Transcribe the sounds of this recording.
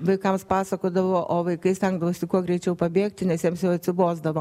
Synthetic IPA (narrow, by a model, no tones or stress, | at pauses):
ʋɐɪkɐmspɑːsɐkoːd̪ɐʋoːʔoːʋɐɪkɐɪsʲt̪ʲɛŋɡd̪ɐʋoːsʲɪkuɔɡɾʲɛɪt͡ʃʲɛʊpɐbʲeːkt̪ʲɪnʲɛsjɛmsjɛʊɐt̪ʲsʲɪboːzd̪ɐʋoː